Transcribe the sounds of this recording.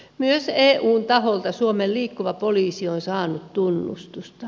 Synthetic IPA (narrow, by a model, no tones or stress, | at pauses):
myøseːʔuːnt̪ɑholt̪ɑsuomelliːkːuʋɑpoliːsionsɑːnut̪t̪unːṵst̪ust̪ɑ